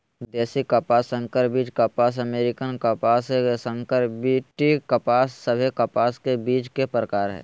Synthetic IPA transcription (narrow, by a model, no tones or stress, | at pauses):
d̪ɛːsikapaːsə̃ŋkəɾbiːt͡ʃkapaːs̬ɐmeːɾɪkənkəpaːssə̃ŋkəɾbiːʈikɐpaːsːəbʱekɐpaːskebiːt͡ʃkepɾəkaːɾɦɛ̰ː